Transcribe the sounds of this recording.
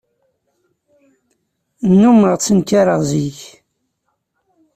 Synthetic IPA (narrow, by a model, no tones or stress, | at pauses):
nːuməʁt͡sːənkaɾəʁziç